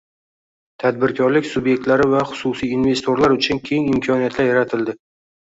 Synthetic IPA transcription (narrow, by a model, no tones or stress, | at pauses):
t̪ʰad̪̚bɪɾkʲʰɒɾlɪkʲsʊbje̞k̚ʲt̪laɾɪvaχʊ̥sʊsijinve̞st̪ʰo̞ɾlaɾʊt͡ʃʰʊnkʲʰe̞ŋɪmkʲʰɒnijat̪laɾjaɾat̪ʰɪld̪ɪ